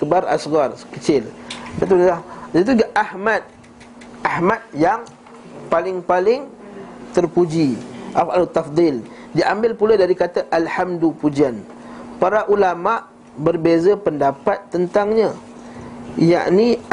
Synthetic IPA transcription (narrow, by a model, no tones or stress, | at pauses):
kəbaɾa̰sɣarkət͡ʃɪldat̪uait̪̬uɡaʔahmat̪̚ | ʔahmat̪̚jaŋ | palɪŋpalɪŋt̪ərpud͡ʒiʔafalut̪ːafd̪ˤil | diʔambɪlpuladaɾikat̪aʔalhamdupud͡ʒian | paɾaʔulamaʔ | bərbezəpəndapat̪ːənt̪aŋɲa | ja̰ʔni